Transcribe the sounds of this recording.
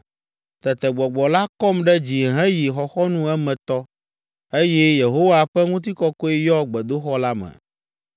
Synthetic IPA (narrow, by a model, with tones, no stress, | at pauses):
t̪ɛ˨t̪ɛ˨ɡ͡bɔ˨ɡ͡bɔ˨la˦kɔ˦mɖɛ˦d͡ʑi˨ɦɛ̃˦ji˨xɔ˨xɔ˦nũ˦ɛ˦mɛ̃˨t̪ɔ˦ | e˦jɛ˦je˨ɦo˦wa˨ɸɛ˦ŋũ˦t̪̬i˦kɔ˦kɔ˦e˦jɔ˦ɡ͡bɛ˨d̪o˦xɔ˦la˦mɛ̰̃˨